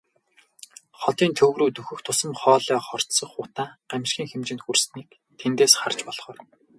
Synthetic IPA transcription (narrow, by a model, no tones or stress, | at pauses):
χɔt̪iːnt̪ʰɵwɾuːt̪ɵxɵ̆xt̪ʰʊsə̆mχɔːɮœːχɔr̥t̪sɞ̆χʊt̪aːɢ̥æmʲʃxʲiːŋxemt͡ɕɪ̆nt̪xursniːk̚ | t̪ʰent̪eːsχar̥t͡ɕpɔɮ̥χɔːr